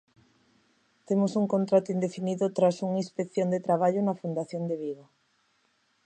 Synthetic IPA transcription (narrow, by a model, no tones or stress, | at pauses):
t̪emosuŋkont̪ɾat̪ʊind̪efiniðʊt̪ɾasuŋispekθjond̪et̪ɾaβ̞aʎʊnɐfund̪aθjond̪eβiɣo